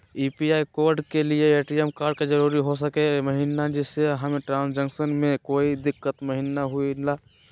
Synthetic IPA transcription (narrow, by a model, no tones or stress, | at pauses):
ipiaːikoːɾɖkelieeʈijemkaːɾɖ̚ked͡ʒəɾuːɾiɦosəkeməɦinad͡ʒɛseɦəmeʈɾãːnsd͡ʒə̃ŋksənmẽkoːid̪ɪkːət̪məɦinaɦuilaː